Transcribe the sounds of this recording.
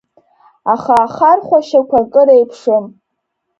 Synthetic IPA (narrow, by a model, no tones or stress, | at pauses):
aχaːχarχʷaʃakʷakʼɨɾejpʰʂɨm